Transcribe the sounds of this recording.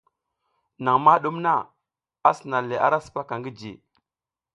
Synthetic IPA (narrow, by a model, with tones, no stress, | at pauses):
na˨ŋma˦ɗu˦mna˦ | a˦si˨na˨le˨ʔa˦ɾa˦su̥˨pa˦ka˨ŋɡi˦d͡ʒḭ˨